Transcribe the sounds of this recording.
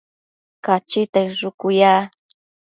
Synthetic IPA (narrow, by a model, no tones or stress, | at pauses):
kat͡ʃɪt̪ajɾʊkʊjaː